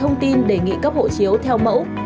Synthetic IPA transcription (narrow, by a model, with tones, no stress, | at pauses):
ə˧wŋ͡mt̪i˧nɗe˧˩ŋḭ˧˨kaː˦˥p̚ho̰˧˨t͡ɕi˨˦əwt̪ʰɛ˧wmə̰˧˥w